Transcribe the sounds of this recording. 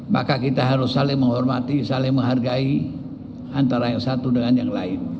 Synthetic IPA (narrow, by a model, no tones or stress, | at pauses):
ma̰kakit̪aɦaɾʊsːalɪŋməŋɦɔrmat̪isalɪŋməŋɦarɡai | ant̪aɾajaŋsat̪udəŋanjaŋla̰ɪn